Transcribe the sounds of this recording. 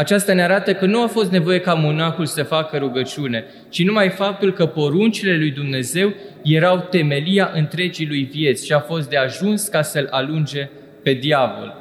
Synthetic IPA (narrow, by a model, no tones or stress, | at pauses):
at͡ʃast̪aneaɾat̪əkənuafo̞st̪ne̞vo̞je̞kamonaxulsəfakəɾuɡət͡ʃune̞ | t͡ʃinumajfap̚t̪ulkəpo̞ɾunt͡ʃile̞lujd̪umne̞ze̞wje̞ɾawt̪e̞me̞liaʔɨnt̪ɾe̞d͡ʒilujvije̞t̪sʲʃiafo̞s̬t̪̚d̪e̞aʒunskasəlalund͡ʒe̞ | pe̞d̪iavo̰l